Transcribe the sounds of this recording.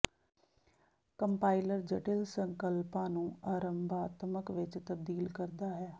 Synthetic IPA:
kəmpaːɪləɾd͡ʒəʈɪlsəŋkəlpãːnũːaːɾəmbaːt̪məkʋɪt͡ʃt̪əb̚d̪iːlkəɾd̪aːɦɛː

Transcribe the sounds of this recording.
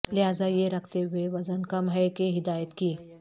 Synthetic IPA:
lɪɦaːzajeɾɐkʰt̪eɦʊeʋɐzənkɐmɦɛkeɦɪd̪aːjət̪kiː

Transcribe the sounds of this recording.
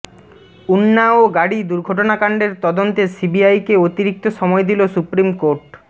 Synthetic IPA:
unːaoɡaɽid̪uɾɡʱoʈonakaɳɖeɾt̪ɔd̪ont̪esibiajkeot̪iɾik̚t̪oʃɔmɔed̪ilosupɾimkoɾʈ

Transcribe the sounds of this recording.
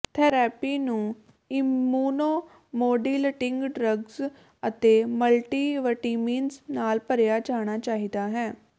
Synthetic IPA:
t̪ʰɛːɾɛːpiːnũː | ɪmuːnoː | moːɖiːləʈɪ̃ŋɡɖɾəɡz | ət̪eːməlʈiːʋəʈiːmiːnsnaːlpəɾjaːt͡ʃaːɽ̃aːt͡ʃaːɦiːd̪aːɦɛː

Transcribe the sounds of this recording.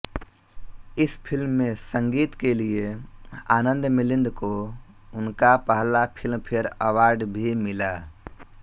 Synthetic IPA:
ɪspʰɪlmːẽsə̃ŋɡiːt̪kelieaːnə̃nd̪mɪlɪ̃nd̪ko | ʊnkapəɦlapʰɪlmpʰɪɾəwaːɾɖbʱimɪlaː

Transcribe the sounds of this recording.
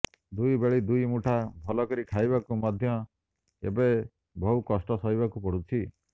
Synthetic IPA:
d̪ujbeɭid̪ujmuʈʰabʱɔlɔkɔɾikʰajbakumɔd̪ʱjɔ | ḛbe | bɔɦukɔsʈɔsɔɦibakupɔɽut͡ʃʰi

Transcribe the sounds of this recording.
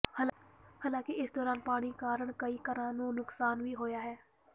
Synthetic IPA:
haːlhaːlãːkeɪsd̪ɔːɾaːnpaːɽ̃ikaːɾəɽkəiːkəɾãːnũːnʊksaːnʋʱiːɦoːjaːɦɛː

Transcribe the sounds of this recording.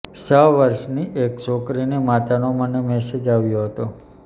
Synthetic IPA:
səʋʋəɾʃniʔekt͡ʃokɾinemat̪anomənemɛsed͡ʒaʋjoɦət̪o

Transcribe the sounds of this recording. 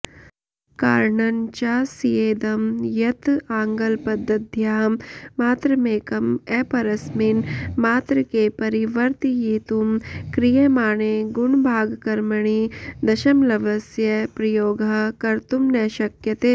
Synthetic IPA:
ka̰ːɾɳɐnt͡ʃasijeːd̪ɐmjɐt̪ãːŋɡɐlpɐd̪ʱːɐd̪̚d̪ʱjaːmːaːt̪ɾəmeːkɐmɛːpɐɾɐsmɪnmaːt̪ɾəkepɐɾiʋɐɾt̪ijiːt̪umkɾijemaːneːɡʊɳbʱaːɡkɐɾməɳ̃id̪ɐʃɐmlɐʋɐsjɐpɾɐjoːɡɐkɐɾt̪umnɛːʃɐkjɐt̪eː

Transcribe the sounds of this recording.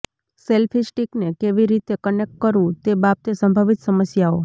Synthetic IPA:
selfʰisʈiknekeʋiɾit̪ekənek̚ʈ̚kəɾũt̪ebap̚t̪esəmbʱəʋit̪səməsjao

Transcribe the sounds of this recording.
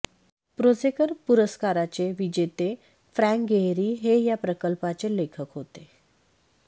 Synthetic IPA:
pɾod͡zekəɾpuɾəskaɾat͡seʋid͡ʑet̪e | fɾæ̃ŋkɡeɦɾiːɦejapɾəkəlpat͡selekʰəkɦot̪e

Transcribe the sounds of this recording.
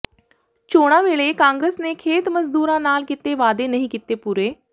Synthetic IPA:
t͡ʃoːɽ̃ãʋeːɭekãːŋɡɾesnekʰeːt̪məzd̪uːɾãnaːlkit̪eʋaːd̪enɐɦĩkit̪epuːɾeː

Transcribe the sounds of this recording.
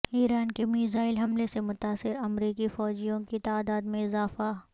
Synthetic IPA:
iːɾaːnkemiːzaːɪlɦɐmlesemʊt̪aːsɪɾɐmɾiːkifɔːd͡ʒijõkit̪aːd̪aːd̪mẽɪzaːfa

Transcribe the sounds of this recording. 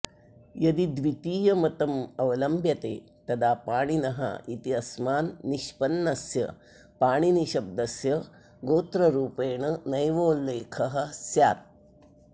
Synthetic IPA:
jɐd̪id̪ʋit̪iːjɐmɐt̪ɐmɐʋɐlɐmbʱjɐt̪ḛː | t̪ɐd̪aːpaːɽ̃inɐɦa̰ʔit̪iɐsmaːnːiʃpɐnːɐsjɐ̰ | paːɳ̃iniɕɐb̚d̪ɐsjɐ | ɡoːt̪ɾɐɾuːpeːɳ̃ɐnɐjʋoːlːeːkʰɐɦɐ̆sjaːt̪̚

